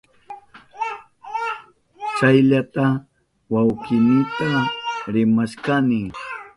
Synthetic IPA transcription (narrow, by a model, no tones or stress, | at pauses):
t͡ʃajʎat̪a | wawkɪnɪt̪aɾɪmaʃkanɪ